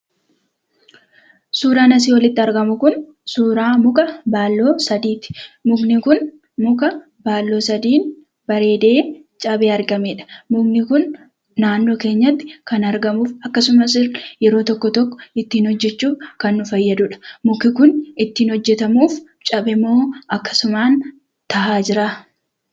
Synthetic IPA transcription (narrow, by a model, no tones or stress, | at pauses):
suːɾaːnɐs̬iːwɐlɪt̪ːɪɐɾɡɐmʊkʊn | suːɾaːmʊkʼɐbaːlːo̞ːsɐd̪iːt̪ɪ̥mʊɡnɪkʊn | mʊkʼɐ | baːlːo̞ːsɐd̪iːn | b̥ɐɾe̞ːd̪e̞ː | t͡ʃʼɐbe̞ːɐɾɡɐme̞ːᶑɐ̥mʊɡnɪkʊnː | aːnːo̞ːke̞ːɲːɐt̪ːɪ̥kɐnɐɾɡɐmuːfɐkːɐsʊmɐsɪrjɛɾo̞ːt̪ɔkːɔt̪ɔkːɔ̥ɪt̪ːiːnhɔd͡ʒːɛt͡ʃːuːfkɐnːʊfɐjːɐd̪ʊᶑɐ̥mʊkɪkʊnɪt̪ːiːnhɔd͡ʒːɛt̪ɐmuːf | t͡ʃʼɐbɪmːo̞ːʔɐkːɐ̥sʊmaːn | t̪ɐʔaːd͡ʒɪɾa